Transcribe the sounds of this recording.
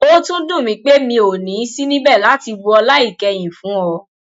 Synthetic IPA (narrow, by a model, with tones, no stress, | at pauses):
o˦tũ˦dũ˦˨mĩ˨˧˦k͡pe˦mĩ˧o˨nĩ˨˦si˦nĩ˦bɛ˦˨la˨˦ti˧bu˧ɔ˧la˦i˦˨kɛ˧j̃ĩ˨fũ˨˦ɔ˧